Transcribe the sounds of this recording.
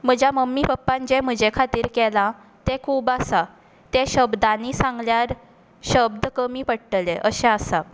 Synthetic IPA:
m̤əd͡ʑjaməmːipəpːãɲt͡ɕem̤əd͡ʑekʰat̪iːɾkɛlã | t̪ẽkʰuːbasa | t̪eɕəbd̪anisãŋɡljaɾ | ɕəb̚d̪əkəmiːpəɽʈəleʔəɕɛ̃asa

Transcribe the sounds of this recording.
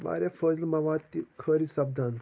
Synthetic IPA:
ʋa̰ɾʲafəzlmɐʋat̪ːikʰəɾisɐb̚d̪an

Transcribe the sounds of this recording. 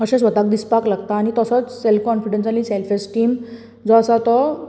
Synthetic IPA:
əɕɛ̃sʋət̪ak̚d̪ispaklaɡt̪aːɽ̃it̪əsət͡sselfkɔnfiɖẽnsaliselfesʈʈiːm | d͡zɔəsat̪ɔ

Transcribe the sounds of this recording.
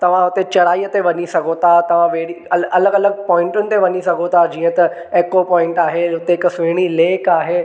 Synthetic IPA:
t̪ɐʋ̤ãɦʊt̪et͡ɕɐɾaːiːət̪eʋɐɲisɐɡʱot̪ʰat̪ɐʋ̤ãʋeːɽiɐɐləɡɐləɡ̚pɔ̃ːɪ̃ɳʈʊnɪ̆t̪eʋɐɲisɐɡʱot̪ʰad͡ʑĩːə̃t̪ɐ | eːkopɔːɪ̃ɳʈaːɦeʊt̪eɪksʊɦɪɽ̃ileːkaːɦeː

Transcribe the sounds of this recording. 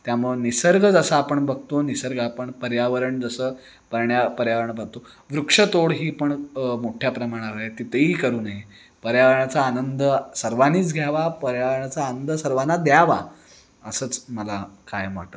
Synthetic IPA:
t̪jamuɭnisəɾɡʱəd͡zəsaapəɳbəɡ̚ʱt̪onisəɾɡapəɳpəɾjaʋəɾəɳd͡zəsəː | pəɾɳjapəɾjaʋəɾəɳbəɾ̚t̪o | ʋɾukʂət̪oɽɦiːpəɳmoʈʰjapɾəmaɽ̃aɾet̪it̪əɦiːkəɾuːnaɦi | pəɾjaʋəɾɳat͡saːnənd̪əsəɾʋaniːt͡sɡʱjaʋapəɾjaʋəɾɳat͡saːnənd̪əsəɾʋanːad̪jaʋa̰ | əsəːt͡sməlakajmʋa̰ʈə

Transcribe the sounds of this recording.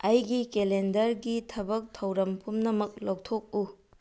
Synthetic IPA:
ɐjɡikelendɐɾɡitʰɐbɐk̚tʰɐwɾɐmpʰumnɐmɐk̚lowk̚tʰok̚u

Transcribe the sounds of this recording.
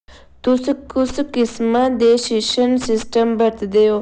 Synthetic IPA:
t̪uskuskɪsmad̪eʃiʃənsɪsʈəmbɐɾt̪d̪ejo

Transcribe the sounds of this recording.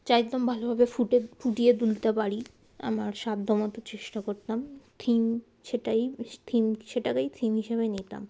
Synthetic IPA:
t͡ɕaj̪ombʱalobʱabefuʈefuʈied̪ult̪epaɾi | a̰maɾʃad̪d̪ɔmot̪ot͡ɕeʃʈakoɾt̪amt̪ʰim | ʃeʈajt̪ʰimʃeʈakejt̪ʰimɦiʃeβenit̪a̰m

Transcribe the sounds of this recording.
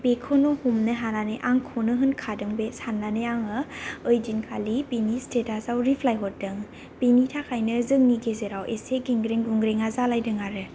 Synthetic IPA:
bekʰonɔhumnɯɦananeʔaŋkʰɔnɯɦɯnkʰadɯŋbesanːaneaŋɯɯjd͡ʒinkʰalibinistetasawɾipʰlajɦɔt̚dɯŋ | b̥initʰakʰajnɯzɯŋniɡezeɾawʔeseɡiŋɡɾeŋɡuŋɡɾeŋazalajdɯŋaɾɯ

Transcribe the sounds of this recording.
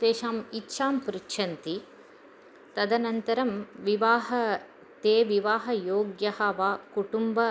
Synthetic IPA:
d̪eːʃaːmitːʃʰaːmpɾitːʃʰɐnt̪i | t̪ɐd̪ɐnɐnt̪ɐɾɐmʋiʋaːɦɐ | t̪eːʋiʋaːɦɐjoːɡjɐhɐʋaːkuʈumbɐ

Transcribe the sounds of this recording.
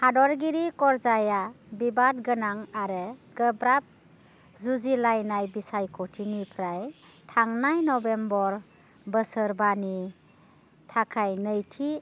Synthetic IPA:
hadɔɾɡiɾikɔɾzaja | bibat̚ɡənaŋaɾɯɡ̥əbɾap̚ | zuzilajnajbisajkʰɔtʰinipʰɾaj | tʰaŋnajnɔbembɔɾ | bəsəɾbani | tʰakʰajnəjtʰi

